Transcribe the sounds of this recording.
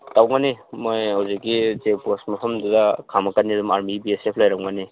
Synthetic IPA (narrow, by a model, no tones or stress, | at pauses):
tawŋanimojhawzikɡid͡ʒek̚posmɐpʰɐmdudɐkʰamɐkanːidumaɾmibiesepʰlajɾawŋani